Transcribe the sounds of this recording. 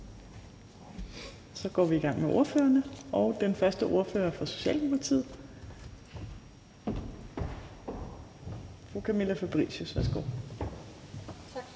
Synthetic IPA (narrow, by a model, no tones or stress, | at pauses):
sɒ̽ɡ̥ɒ̰ːʋiːɡ̥ɑ̈ŋ̰meʔo̝ɐfø̰ːɐnəɒ̽ʊd̥enfɶɐsd̥əʔo̝ɐfø̰ːɐfɒ̽so̝̥ɕɛ̰ːld̥eupʰɑt͡sʰḭð̰ˠ | fʁuːkʰæmelæfæb̥ʁḭɕusʋæɐsɡ̥o̰